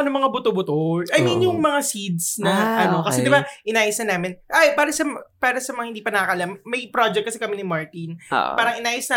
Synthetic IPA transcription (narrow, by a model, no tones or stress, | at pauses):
ɐnɐmɐŋabʊt̪obʊt̪oʔɐjminjʊŋmɐŋasid̪̚snɐʔɐnokɐsɛd̪ɪbaʔɪnaːjɐsnɐnaːmɪnʔajpaːɾɐsɐpaːɾɐsɐmɐŋahɪnd̪iːpɐnɐɐkɐʔɐlamːɐjpɾod͡ʒɛk̚kɐsɛkɐmɛnɪmaɹt̪in̰paːɾɐŋʔɪnaːjɐsnɐ